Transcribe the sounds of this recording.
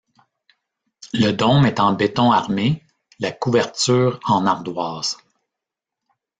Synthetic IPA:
ləd̪ɔmɛt̪ɑ̃bet̪ɔ̃aʁme | lakuvɛʁt̪syːʁɑ̃naʁd̪waːz̥

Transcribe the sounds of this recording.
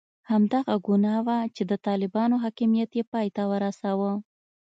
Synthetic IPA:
hamd̪aɣaɡunɑwat͡ʃed̪ət̪ɑlɪbɑnoɦɑkimijat̪jepɑjt̪awəɾasawə

